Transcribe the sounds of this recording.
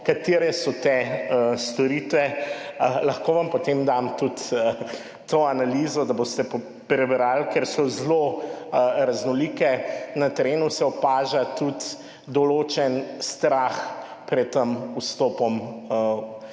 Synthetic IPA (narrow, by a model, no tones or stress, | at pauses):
kat̪eːɾɛsɔt̪ɛəst̪ɔɾiːt̪ʋɛ | lɐxkoʋampɔt̪emd̪amt̪ut̪ə | t̪oanalizɔd̪aboːst̪ɛp | pɾɛbɾalkɛɾsɔzloəɾaznɔliːkɛnɐt̪ɛɾeːnusɛɔpaːʒat̪ut̪ | d̪ɔloːt͡ʃɛnst̪ɾax | pɾɛt̪̚t̪ːəmust̪oːpɔmə